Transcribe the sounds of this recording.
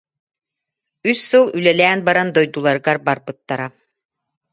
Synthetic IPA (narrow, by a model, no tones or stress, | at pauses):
yssɯlˠylɛlæːnbaɾand̪ɔjd̪ulˠaɾɯɡaɾbaɾbɯt̪ːaɾa